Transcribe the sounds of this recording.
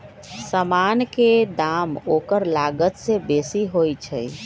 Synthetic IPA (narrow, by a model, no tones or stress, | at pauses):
səmanked̪amokəɾlaɡət̪sebesiɦojt͡ʃʰəj